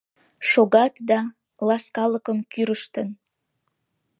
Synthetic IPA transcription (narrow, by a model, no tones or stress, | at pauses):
ʃoɣɑt̪d̪ɑ | lɑskɑləkəmkyɾəʃt̪ən